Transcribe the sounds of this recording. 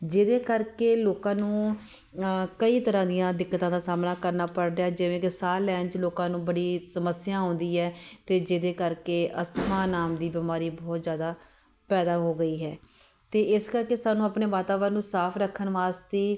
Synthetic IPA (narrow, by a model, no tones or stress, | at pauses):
d͡ʒɪd̪eːkəɾkeːloːkãːnũː | kəiːt̪əɾãːd̪ijãːd̪ɪkːət̪ãːd̪aːsaːmnaːkəɾnaːpəɽɖjaːd͡ʒɪʋẽːkɪsaːlɛ̃ːt͡ʃloːkãːnũːbəɽiːsəməsɪjãːɦõːnd̪iːɛːt̪eːd͡ʒɪd̪eːkəɾkeːʔəsmãːnaːmd̪iːbɪmaːɾiːbɔːt̪zjaːd̪aː | pɛːd̪aːɦoːɡəiːɦɛː | t̪eːɪskəɾkeːsaːnũːapneːʋaːt̪aːʋɾəɾnːũːsaːpʰɾəkʰːənʋaːst̪eː